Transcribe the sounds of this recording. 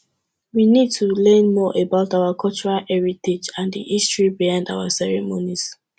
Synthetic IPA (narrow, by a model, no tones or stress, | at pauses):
winid̚tʰulɜ̃nmɔʔebaʊtaʊakʰɔlt͡ʃuɹalɛɹited͡ʒãndḭʔistɹibiãnda̰ʊwasɛɹɛmonis